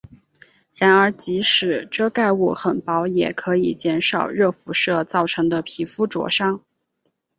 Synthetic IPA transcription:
ɻa˧˥nə˞˧˥t͡ɕi˧˥ʂɻ̩˨˩˦ʈ͡ʂɤ˥˧ka˥˧ɪu˥˩xə˨˩npɑ˧˥ʊjɛ˨˩kʰɤ˧˥i˨˩t͡ɕjɛ˧˥nʂɑ˨˩ʊɻɤ˥˩fu˧˥ʂɤ˥˧t͡sɑ˥˩ʊʈ͡ʂʰɤ˧˥ŋd̪ə˧pʰi˧˥fu˥ʈ͡ʂwɔ̰˧˥ʂɑ˥ŋ

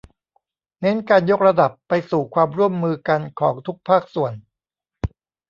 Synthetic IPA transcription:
ne˦˥nkaː˧njo˦˥k̚ɾa˧da˨˩pːa˧jsuː˨˩kʰwaː˧mɾu˥˩əmːɯː˧ka˧nkʰɔː˩˦ŋt̪ʰu˦˥k̚pʰaː˥˩k̚su˨˩ən

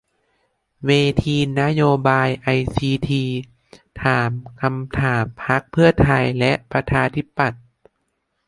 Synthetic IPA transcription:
weː˧t̪ʰiː˧na˦˥joː˧baː˧jʔa˧jsiː˧t̪ʰiː˧ | t̪ʰaː˩˦mkʰa˧mt̪ʰaː˩˦mpʰa˦˥k̚pʰɯ˥˩ɐt̪ʰa˧jlɛ˦˥ʔpɾa˧t͡ɕʰaː˧t̪ʰi˦˥pːa˨˩t̪̚

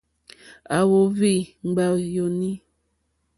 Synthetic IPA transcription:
a˨wo˨˦vi˦˨ŋ͡m̩˨ɡ͡ba˨jo˨ni˦

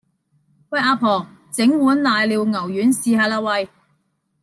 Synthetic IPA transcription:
wɐ˧˥j̚ʔaː˧pʰɔː˨˩ | t͡sɪ˨˥ŋwuː˨˥nlaː˨jliː˨˧wŋɐ˨˩wjyː˨˥nsiː˨˧haː˧laː˧wɐ˧j

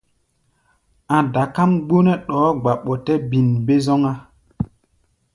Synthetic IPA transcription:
ã˨da˨ka˦mɡ͡bo˦nɛ˦ɗɔː˨˦ɡ͡ba˨ɓɔ˨tɛ˦bi˨nbe˦zɔ˦ŋa˦

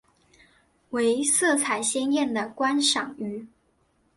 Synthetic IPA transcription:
we˧˥ɪsɤ˥˩t͡sʰa˨˩ɪɕjɛ˥njɛ˥˩nd̪ə˩kwa˥nʂɑ˨˩ŋy˥

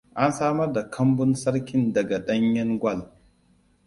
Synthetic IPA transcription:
ʔa˦nsaː˦mɐ˦rda˨kʰɐ˦mbʊ˦nsɐ˦ɽkʲɪ˦ndɐ˨ɡa˨ɗɐ˦ɲjɐ˦ŋɡʷɐ˦˨l

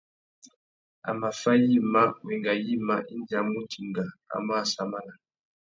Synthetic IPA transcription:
a̰˨ma˨fa˦ji˦ma˦wɛ˨ŋɡa˨ji˦ma˦ʔi˦nda˨mu˦tʰi˨ŋɡa˨a̰˨ma˦˨sa˨ma˦la˨

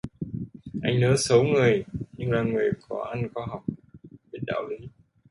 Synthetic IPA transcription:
ʔa˧jŋ̟nəː˨˦sə˨˦wŋɨ˨˩əjɲɨ˧ŋlaː˨˩ŋɨ˨˩əjkɔ˨˦ʔa˧nkwa˧ɦa˨˩wk͡p̚ɓe˧˥n̚ɗa̰ː˧˨wlə˨˦

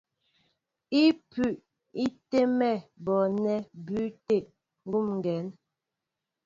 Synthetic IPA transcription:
i˦pʉ˨ʔ | i˦te˦mɛ˦˨bɔ˨nɛ˦bʉ˨˦te˦˨ʔ | ŋ̩˦ɡu˦˨mŋ˨ɡɛ˨˦n

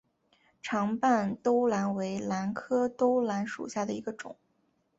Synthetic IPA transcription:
ʈ͡ʂʰɑ˧˥ŋpa˥˩nt̪o˥ʊla˧˥nwe˧˥ɪla˧˥nkʰɤ˥t̪o˥ʊla˧˥nʂṵ˨˩ɕja˥˩d̪ə˩i˧˥ɡə˧ʈ͡ʂʊ̰˨˩˦

